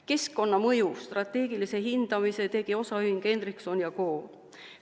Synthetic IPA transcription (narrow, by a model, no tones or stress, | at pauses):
ke̞skːo̞nːɑmɤjust̪rɑt̪ːˑe̞ːɡ̥ilise̞ɦind̪̥ɑmise̞t̪e̞ɡ̥io̞sɑyiŋke̞nd̪rikso̞njɑko̞ː